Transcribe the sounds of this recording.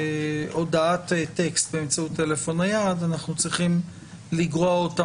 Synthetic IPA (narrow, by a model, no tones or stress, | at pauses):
ʔo̞daatte̞kst̪̚beːmt͡sautːe̞le̞fo̞najad̪anaχnut͡sʁiχim | liɡʁoaota